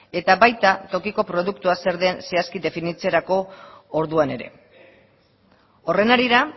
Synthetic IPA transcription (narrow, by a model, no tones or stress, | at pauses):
e̞t̪aβajt̪at̪o̞kiko̞pɾo̞ðukt̪uase̞ɾðense̞askiðe̞finit͡seɾako̞ːɾðuane̞ɾe̞̰ | o̞re̞naɾiɾa